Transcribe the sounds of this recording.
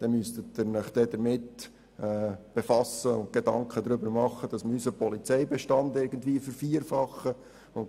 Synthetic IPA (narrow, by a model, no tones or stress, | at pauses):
d̪̥ɛnmyst̪ət̪ːɪɾnɪχd̥̪ɛd̪əɾmɪt̪ | ɛːb̥ɛfɑsːəʊnt̚ɡ̥ed̪ɑŋkχəd̪ɾʏbəɾmɑχːəd̥̪ɑsməysəpʰɔlit͡sɛjbɛʃtɑnd̪ɪɾɡən̩dviːəfəɾfiəɾfɑχːə | ʊn